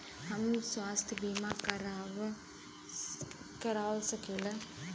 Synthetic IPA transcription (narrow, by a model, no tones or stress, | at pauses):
hɐmswaːst̪ʰbiːmaːkɾ | kɐɾaːʋsɐkelɐ